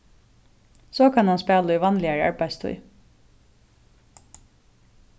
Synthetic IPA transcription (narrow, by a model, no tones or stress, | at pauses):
soːkʰɑnhɑnspæːləyːʋɑnlɪəɹəɑ̰ɹbæɪst̪ʰœ̰ʏ